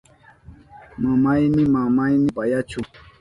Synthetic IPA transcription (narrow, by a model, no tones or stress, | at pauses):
mamajnɪmamajnɪpajat͡ʃʊ